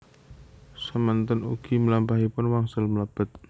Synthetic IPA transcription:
səmənt̪ʊnuɡ̥iməlampaɦipʊnwaŋsʊlməlab̥ə̤t̪̚

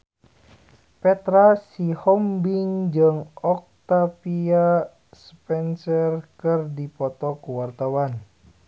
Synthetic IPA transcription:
pɛt̪ɾasihɔmbiŋd͡ʒəŋɔk̚t̪apia | spɛnsərkɨrdipɔt̪ɔkuwart̪awan

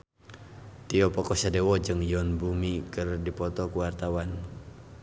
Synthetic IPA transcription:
t̪iɔpɔkɔsadɛwɔd͡ʒɨŋjɔnbumikɨrdipɔt̪ɔkuwart̪awan

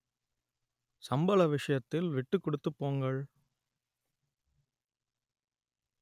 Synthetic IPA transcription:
sɐmbɐlɐʋɪʂɐjɐt̪ːɪlʋɪʈːɯkːɔɽɯt̪ːɯpːoːŋɡɐɭ

